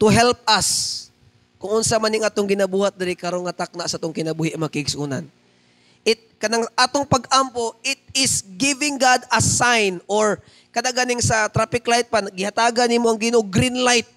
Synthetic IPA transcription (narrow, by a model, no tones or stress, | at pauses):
t̪ʊɦɛlp̚ɐs | kʊŋʔʊnsamanɪŋʔaːt̪oŋɡɪnabuːhat̪̚d̪ɪɾɪkɐɾonŋɐt̪ak̚naʔsʔaːt̪oŋkɪnɐbuːhɪʔɐmakɪɡsʔuːna̰n | ʔɪt̪̚kɐnaŋʔaːt̪oŋpɐɡʔampoʔɪt̪̚ɪsɡɪvɪŋɡad̪ɐsajnoɹ | kɐd̪aʔɡaːnɪŋsɐt̪ɾapɪklajt̪̚panɐɡɪhat̪aːɡɐnimoʔɐŋɡɪnoɡɾinlajt̪̚